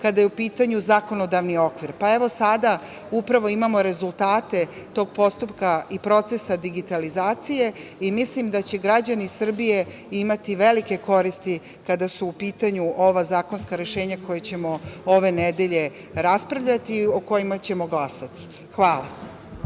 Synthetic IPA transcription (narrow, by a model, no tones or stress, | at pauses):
kad̪ajeupiːt̪aɲuzako̞no̞d̪aʋnio̞kʋiɾpae̞ʋo̞sad̪a | upɾaʋo̞imamo̞ɾe̞zulˠt̪aːt̪e̞ | t̪o̞ɡ̚po̞st̪upkaipɾo̞t̪sesad̪iɡit̪alizaːt̪sije̞imislimd̪at͡ɕe̞ɡɾad͡ʑanisr̩bije̞ | imat̪iʋe̞like̞ko̞ɾist̪i | kad̪asuːpiːt̪aɲuʔoʋazaːko̞nskaɾe̞ʃe̞ːɲako̞jet͡ɕe̞mo̞o̞ʋe̞ned̪e̞ʎe̞ | ɾaspɾaʋʎat̪ioko̞jimat͡ɕe̞mo̞ɡlasat̪i̥ | xʋaːlˠa